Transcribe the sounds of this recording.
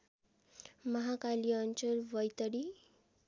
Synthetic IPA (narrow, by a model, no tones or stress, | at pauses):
mʌɦakaliʌnt͡ɕəlʋʌjt̪əɽi